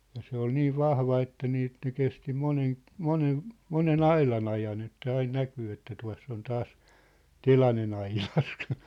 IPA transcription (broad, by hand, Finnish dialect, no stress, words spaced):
jɑ se ol niːʋ ʋɑhʋɑ etːæ niː ĕt ne kesti monen monen monen ɑilɑn ɑjɑn etːæ ɑin nækyː etːæ tuɑ̝s s on tɑːs telɑnen ɑilɑs